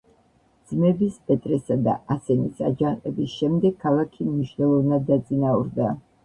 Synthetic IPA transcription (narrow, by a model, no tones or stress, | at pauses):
dd̪z̥mɛbispʼɛt̪ʼɾɛsad̪a̰asɛnisa̰d͡ʒanqʼɛbisʃɛmd̪ɛɡ̚kʰːalˠakʰimniʃnɛlˠɔvnad̪ːat̪sʼinauɾd̪a